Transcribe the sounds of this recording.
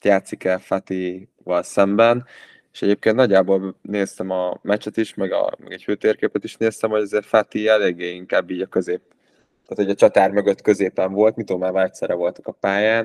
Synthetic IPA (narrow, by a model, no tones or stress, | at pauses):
jaːt̪sikɛlfat̪i | vɒlsɛmbɛn | e̥ʃɛɟeːp̚keːnt̪nɒɟːaːboːlneːst̪ɛmɒmɛt͡ʃɛt̪iʃmɛɡɒ̰mɛ̰ɡɛcføːt̪eːrkeːpɛt̪iʃneːst̪ɛmho̞ɟɒzeːfat̪iɛleːɡːeːiŋkaːbːiːɟɒkø̞zeːp̚ | t̪aːt̪hoɟɒt͡ʃɒt̪aːrmøɡø̞t̪kø̞zeːpɛɱvo̞lt̪mit̪oːmaːvɒlɛct̪sɛɾɛvo̞lt̪ɒ̥kɒpaːjaːn